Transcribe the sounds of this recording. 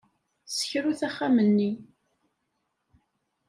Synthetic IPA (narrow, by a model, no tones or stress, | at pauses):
sə̥çɾuθæχːamənːi